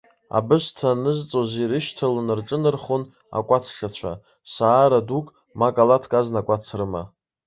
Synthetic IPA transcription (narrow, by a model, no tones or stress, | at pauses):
a̰bɨstʰanɨzt͡sʼoziɾɨʃtʰalonɨrʈ͡ʂʼɨnɨrχon | a̰kʷʼat͡sʰʂʰat͡ɕʷʰa̰ | saːɾadukʼ | makʼalatʰkʼaznakʷʼat͡sʰrɨma̰